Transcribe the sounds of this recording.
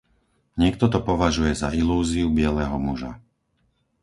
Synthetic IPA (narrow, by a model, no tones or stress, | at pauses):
ɲɪɛk̚t̪ɔt̪ɔpɔʋaʒujɛzailuːziubɪɛlɛɦɔmuʒa̰